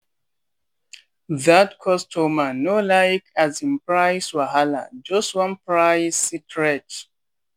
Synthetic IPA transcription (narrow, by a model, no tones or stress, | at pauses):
ðatkʰɔstʰomanolaɪkʰazĩnpɹajswaɦala̰d͡ʒʌstwʌ̃npɹaɪsitʰɹɛt